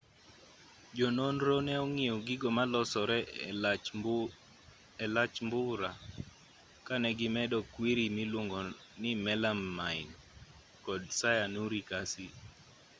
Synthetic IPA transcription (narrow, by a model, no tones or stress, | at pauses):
d͡ʒɔnonɾonɛɔŋiɔɡɪɡɔmalɔsɔɾɛ | ɛlat͡ʃmbʊɾa | kanɛɡɪmɛdɔkwiɾimilwoŋɡɔ | nɪmɛlamːaɪn | kɔdsajanuɾikasi